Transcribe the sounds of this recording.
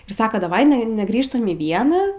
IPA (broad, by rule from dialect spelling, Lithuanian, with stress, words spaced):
ɪr ˈsɑːkɐ dɐˈʋɐɪ ˈnʲɛ nʲɛˈɡrʲiːʃtɐm iː ˈʋʲiɛnɑː